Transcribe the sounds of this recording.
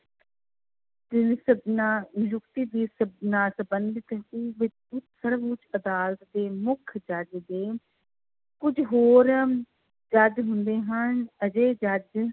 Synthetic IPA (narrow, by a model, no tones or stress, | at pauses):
d̪ɪnsəbnajʊkt̪iːd̪iːsəbnaːsəbənd̪ɪt̪eːʋɪt͡ʃ | ʊt̪səɾbʊt͡ʃəd̪aːlət̪d̪eːmʊkʰd͡ʒəd͡ʒd̪eː | kʊd͡ʒɦoːɾ | d͡ʒəd͡ʒɦʊnd̪eːɦənəd͡ʒeːd͡ʒəd͡ʒ